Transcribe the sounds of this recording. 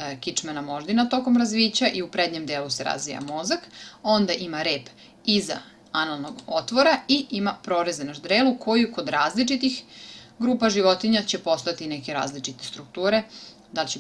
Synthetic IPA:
kit͡ʂmanamo̞ʒd̪inat̪o̞ko̞mɾazʋiːt͡ɕaʔiupɾed̪ɲe̞md̪eːluseɾa̰zʋija̰mo̞zako̞nd̪aʔimaɾeːp | iza̰ | analˠnoɡo̞t̪ʋo̞ɾaiimapɾo̞ɾezenaʒd̪ɾeːlukʰo̞juko̞d̪ɾaːzlit͡ʃit̪ixɡɾuːpaʒiʋo̞t̪iɲat͡ɕe̞po̞st̪at̪ineke̞ɾa̰ːzlit͡ʂit̪e̞st̪ɾuk̚t̪uːɾe̞ | d̪alt͡ɕe

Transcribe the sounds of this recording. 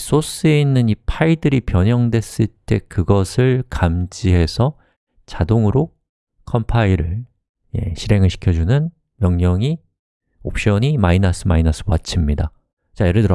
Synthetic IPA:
s͈os͈ɯe̞inːɯnipʰaidɯɾipjʌɲʌŋdwe̞s͈ɯɭt͈e̞kɯɡʌsʰɯɭkamd͡ʑiɦe̞sʰʌ | t͡ɕadoŋɯɾo | kʰʌmpʰaiɾɯɭ | je̞̰ɕʰiɾe̞ŋɯɭɕʰi̥kʰjʌd͡ʑunɯn | mjʌŋɲʌŋi | op̚ɕ͈ʌɲimainʌsʰɯmainʌs͈ʰɯpoat͡ɕʰimɲida | t͡ɕajeɾɯɭtɯɾʌ

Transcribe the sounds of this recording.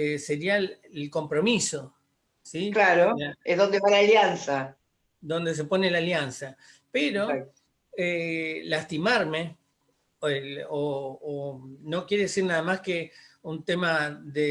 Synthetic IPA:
eseɾia | elko̞mpɾo̞miso̞ | siklaɾolaezðo̞nd̪eβalaːljansa | d̪o̞nd̪e̞s̬epo̞nelaljansa | peɾo̞ | elast̪imaɾme | eoː | no̞kjeɾeðesiɾnaðamaskeunt̪emaðe

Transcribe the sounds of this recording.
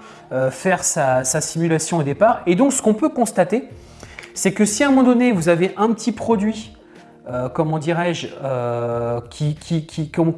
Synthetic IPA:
øfɛʁsasasimylasjɔ̃od̪epaʁed̪ɔ̃ksə̥kɔ̃pøkɔ̃st̪at̪e | sɛkəsiɛ̃mɑ̃d̪ɔnevuzaveʔɛ̃pət̪ʰipχɔd̪ɥi | økɔmɑ̃d̪iʁɛʒø | kʲʰikʲʰikʲʰikɔ

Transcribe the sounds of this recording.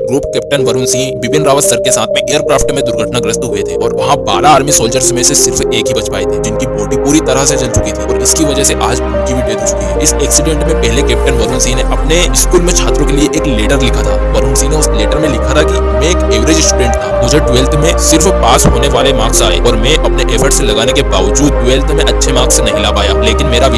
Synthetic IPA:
ɡɾuːpkɛːp̚ʈənʋɐɾʊnsĩʋɪpɪnɾaːʋəsəɾkesaːt̪ʰmẽʔeːəɾkɾaːfʈmẽd̪ʊɾɡʱəʈnaɡɾəst̪ɦuet̪ʰeːɔːɾʋɐɦãba̰ːɾaːɾmisoːld͡ʒəɾsmẽsesɪɾfeːkɦibɐt͡ʃpa̰ːet̪ʰeːd͡ʒɪnkibɔːʈipuːɾit̪ɐɾəɦset͡ʃɐlt͡ʃʊkit̪ʰiɔːɾɪskiʋɐd͡ʒəɦseʔaːd͡ʒbɐɽkʰibʱibeːd̪ʱoːt͡ʃʊ̥kiɦɛːɪsɛːksɪɖẽːɳʈmẽpɛɦlekɛːp̚ʈənʋɐɾʊnsĩneʔɐpneɪskuːlmẽt͡ʃʰaːt̪ɾõkelieʔeːkleːʈəɾlɪkʰat̪ʰaːbɐɾuːnsĩneʊsleːʈəɾmẽlɪkʰat̪ʰaki | mɛ̃eːkeːʋɾeːd͡ʒɪsʈuɖẽːɳʈt̪ʰaːmʊd͡ʒʱeɖueːlt̪ʰmẽsɪɾfpaːsɦoːneʋaːlemãːksaːḛːɔːɾmɛ̃ʔɐpneʔeːfʰəɾʈselɐɡaːnekeba̰ːʋəd͡ʒuːd̪̚ʈueːlt̪ʰmẽʔɐtːʃʰemãːksenɐɦilapaːjaːleːkɪnmeːɾaʋ

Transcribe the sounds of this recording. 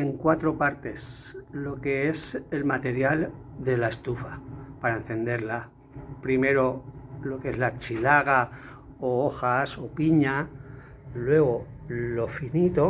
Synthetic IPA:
eŋkwat̪ɾo̞paɾt̪e̞slo̞ke̞e̞se̞lmat̪e̞ɾjal | d̪e̞lae̞st̪ufapaɾaen̟θe̞nd̪e̞ɾla | pɾime̞ɾo̞lo̞keezlaɾt͡ʃilaɣa | ooxaso̞piɲa | lwe̞ɣ̞o̞lo̞finit̪o̞

